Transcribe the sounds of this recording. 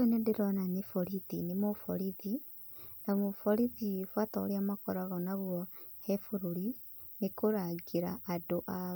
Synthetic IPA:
enendeɾɔnanefɔɾiðinemofɔ̰ɾiði | namofɔɾiðifwataoɾeamakɔɾaɣɔnaɣwɔhɛfoɾoɾi | nekoɾaɡeɾaʔːdoʔa

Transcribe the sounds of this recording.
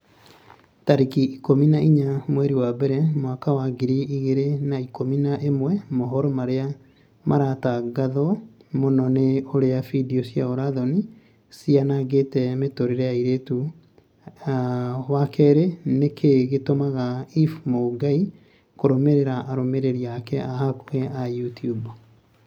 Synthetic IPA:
taɾikiikominaiɲamwɛɾiwabɛɾɛmwakawaɡiɾiiɣeɾenaikominaʔemwɛmoɦɔɾɔmaɾea | maɾataɡaðɔmonɔneoɾeafidiosiaoɾaðɔni | sianaɡetɛmetoɾiɾeaiɾetu | wakʰɛɾenekʰeɣetomaɣaifmoɡai | koɾomeɾeɾaʔaɾomeɾeɾiakɛahakuɣɛajutiub

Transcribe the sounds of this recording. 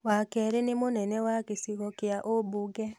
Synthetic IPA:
wakɛɾenemonɛnɛwakesiɣɔkeaʔobuɡɛ

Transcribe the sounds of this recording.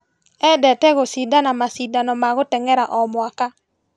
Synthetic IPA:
ɛdɛtɛɣosidanamasidanɔmaɣotɛŋɛɾaʔɔmwaka

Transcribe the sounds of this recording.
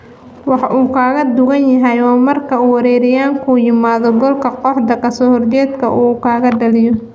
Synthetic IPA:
wɑħʔuːkʰaːɣɐd̪ʊɣɐnjɐɦɛjwɑːmɐrkʰɐuːwɐɾɛːɾɪjaːŋkʰuːjɪmaːðɔɡɔlkʰɐqɔħd̪ɐkʰɐsɔːhɔrt͡ʃɛːd̪kʰɐ̰ʔuːkʰaːɣɐɖɐlɪjɔ

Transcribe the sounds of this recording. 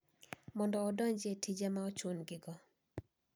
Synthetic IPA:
mɔndɔːdɔɲd͡ʒetʰid͡ʒamaɔt͡ʃonɡɪɡɔ

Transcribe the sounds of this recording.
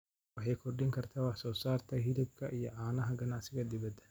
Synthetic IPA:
wɑħɑjkʰɔrɖɪŋkʰɐrt̪ʰɐwɑħsɔːsaːrt̪ʰɐhɪlɪb̚kʰɐʔijɔʕaːnɐɦɐɡɐnaːsɪɣɐd̪ɪβɐd̪ɐ

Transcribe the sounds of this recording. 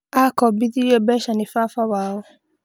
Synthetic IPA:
akɔbitiɾiɔbɛʃanĩfafawaʊ̃

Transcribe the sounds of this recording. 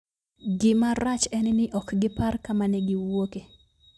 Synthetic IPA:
ɡɪmaɾat͡ʃɛnɪnɪʔɔkɡɪparkamanɛɡɪwoke

